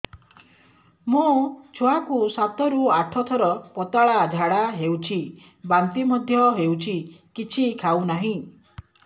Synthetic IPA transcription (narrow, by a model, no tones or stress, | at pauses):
mut͡ʃʰoakusat̪ɔɾuaʈʰɔt̪ʰɔɾɔpɔt̪aɭad͡ʒʱaɽaɦewt͡ʃʰi | bant̪imɔd̪ʱjɔɦewt͡ʃʰikit͡ʃʰikʰawnaɦĩ